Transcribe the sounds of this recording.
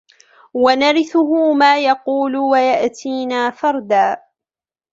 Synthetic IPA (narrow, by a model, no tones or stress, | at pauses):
wanaɾɪθʊɦʊmaːjɑquːlwajaʔt̪ʰiːnaːfɑɾˤd̪aː